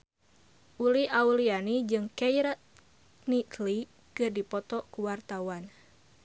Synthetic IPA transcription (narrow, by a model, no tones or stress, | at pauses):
ʔuliʔaulianid͡ʒɨŋkɛjɾat̪ | nitli | kɨrdipɔt̪ɔkuwart̪awan